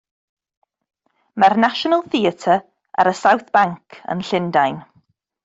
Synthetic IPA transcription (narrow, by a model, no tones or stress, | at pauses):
marnaʃɔnəlˠθiətʰə | ʔa̰ɾəsawθb̥aŋkʰə̰nɬɪndajn